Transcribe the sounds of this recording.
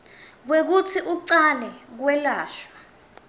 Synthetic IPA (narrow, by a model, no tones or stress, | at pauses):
k̬wek̬ut͡sʰiʔuǀalɛk̬wɛlaːʃwa